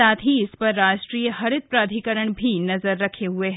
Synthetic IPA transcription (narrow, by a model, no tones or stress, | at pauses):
aːt̪ʰiɪspɐɾːaːʃʈɾiːjəɦɐɾɪt̪̚pɾaːd̪ʱikəɾəɳ̃bʱinɐzəɾːɐkʰeɦʊeɦ